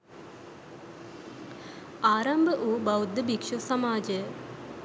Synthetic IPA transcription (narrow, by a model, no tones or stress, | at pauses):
aːɾɐmbʱəʔuːbɐwd̪ːəbikʂusɐmaːd͡ʒə